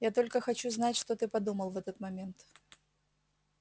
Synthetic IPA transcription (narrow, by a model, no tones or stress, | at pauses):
jat̪o̞lʲkəxɐt͡ɕuznatʲʂt̪ot̪ɨpɐd̪uməlˠvɛt̪ət̪mɐmʲent̪